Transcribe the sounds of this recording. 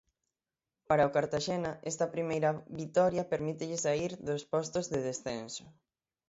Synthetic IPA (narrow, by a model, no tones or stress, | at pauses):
paɾaokaɾt̪aʃenaʔɛst̪ɐpɾimejɾɐβit̪ɔɾjɐpeɾmit̪eʎɪsaiɾðospɔst̪ozðeðesθensʊ̥